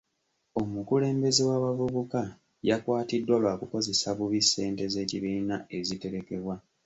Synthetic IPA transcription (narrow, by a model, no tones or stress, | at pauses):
o̞mukule̞ːmbe̞zewaβavuβuka | jakwaːtidːwalwaːkuko̞ze̞saβuβisːe̞ːnte̞ze̞ːciβiːnae̞zite̞ɾe̞ke̞βwa